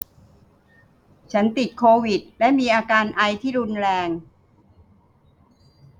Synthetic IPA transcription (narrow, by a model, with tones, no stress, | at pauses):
t͡ɕʰa˦˥nt̪i˨˩t̪̚kʰoː˧wi˨˩t̪̚lɛ˦˥miː˧ʔaː˧kaː˧nʔa˧jt̪ʰiː˥˩ɾu˧nɾɛː˧ŋ